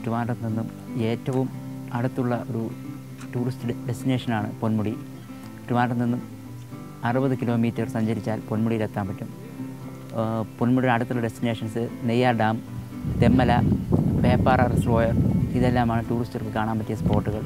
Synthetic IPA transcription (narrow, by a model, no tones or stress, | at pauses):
ʈiʋaːɳɖɐninːum | e̞ːtːɐʋum | ɐɽut̪ːuɭːɐʔo̞ɾu | ʈuːristɨɖe̞stine̞ːʂɐnaːɳɨponmuɽi | ʈruʋaːɳɖɐninːum | ɐrubɐðɨkilo̞ːmiːtːɐrsɐɲd͡ʑɐɾit͡ɕːaːlpo̞nmuɽiɾet̪ːaːmpɐtːum | ponmuɽiɐɽut̪ːuɭːɐɖestine̞ːʂɐnsɨnejaːɖaːm | t̪emːɐlɐpe̞ːpːaːrɐrsro̞ːjɐriðe̞lːaːmaːɳɨtuːristɐrkɨkaːɳaːmpɐtːijɐspo̞ːrʈːuɣɐɭ